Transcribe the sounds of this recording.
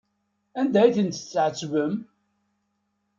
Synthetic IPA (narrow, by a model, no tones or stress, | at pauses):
ænd̪æjθənt̪ə̥t͡sːʕət͡sːvəm